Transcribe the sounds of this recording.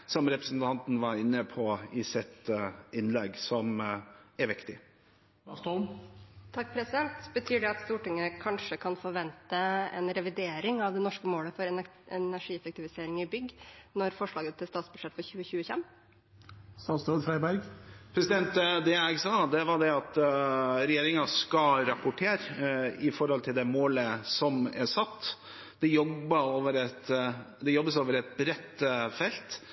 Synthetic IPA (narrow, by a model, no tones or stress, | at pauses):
sɔmɾɛpɾəsn̩t̪ʰɑnt̪n̩ʋɑɾɪnːəpʰɔɪsɪt̪ɪnlɛɡsɔmæɾʋɪkt̪ɪ | st̪ɔlmt̪ʰɑk̚ːpʰɾɛsɪd̪ɛnt̪bət̪ʰyːɖɛɑt̪st̪uːʈɪŋːəkʰɑnʂəkʰɑnfɔɾʋɛnt̪əɛ̰nɾɛʋɪd̪eːɾɪŋɑʋd̪ɛnɔʂkəmoːləfɔɾɛ | ɛnæʂiːɛfɛk̚t̪ɪʋɪseːɾɪŋɪbʏɡnɔɾfɔʂɭɑːɡət̪ʰːɪlst̪ɑːt̪sb̥ʉʂɛt̪ːfɔɾçʉːəçʉːəçfɛm | st̪ɑːt̪sɾɔːd̪fɾæɪbæɾɡpʰɾɛsɪd̪ɛnt̪d̪ɛæɡsɑːd̪ɛʋɑɖɛɑt̪ | ɾɛjeːɾɪŋɑskɑɾɑpʊʈʰeːɾɪfɔɾhɔlt̪ʰɪld̪ɛmoːləsɔmɛsɑt̪ː | d̪̥ɛjɔbːəoːʋəɾɛt̪ | d̪ɛjɔbːəsoːʋəɾɛt̪̚bɾɛt̪ːfɛlt̪